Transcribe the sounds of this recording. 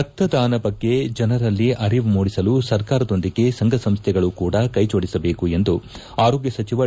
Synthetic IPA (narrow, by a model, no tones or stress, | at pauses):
ɐt̪ːɐd̪aːnɐbɐɡːe̞d͡ʒɐnɐɾɐlːiʔɐɾiʋmuːɽisɐlusɐɾkaːɾɐd̪o̞nd̪iɡe̞sɐŋɡʱɐsɐmst̪ʰɛɡɐɭukuːɽɐkɐjt͡ʃoːɽisɐbe̞ːkue̞nd̪u | aːɾoːɡjɐsɐt͡ʃiʋɐ